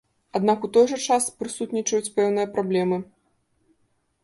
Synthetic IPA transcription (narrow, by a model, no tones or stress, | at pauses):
ad̪nakut̪ɔjʐɐt͡ʂaspɾɨsut̪nʲit͡ʂɐjut͡sʲpɛwn̪ɨjɐpɾablʲɛmɨ